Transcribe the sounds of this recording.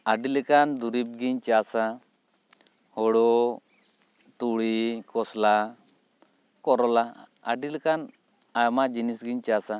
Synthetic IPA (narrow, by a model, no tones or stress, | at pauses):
aɖilɛkand̪uɾip̚ɡiɲt͡ʃasa | hɔɽɔ | t̪uɽikɔsla | kɔɾɔlaa̰ɖilkan | ajmad͡ʒinisɡiɲt͡ʃasa